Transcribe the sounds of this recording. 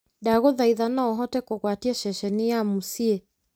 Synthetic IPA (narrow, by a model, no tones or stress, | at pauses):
daɣoðaiðanaɔɦɔtɛkoɣwatiɛʃɛʃɛnijamusiɛ